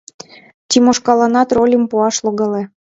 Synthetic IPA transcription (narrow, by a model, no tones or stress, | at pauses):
t̪ʲimoʃkɑlɑnɑt̪rolʲəmpuɑʃloɣɤle